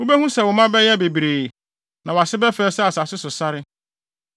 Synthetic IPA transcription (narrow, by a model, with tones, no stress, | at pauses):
ʊ˦bɛ˦hũ˦sɛ˨wʊ˨mã˦bɛ˦jɛ˦be˨bɾeː˨ | nã˨wɔ˨a˨sɪ˦bɛ˦fɛː˦sɛ˦a˨sa˨sɪ˦sʊ˨sa˦ɾɪ˦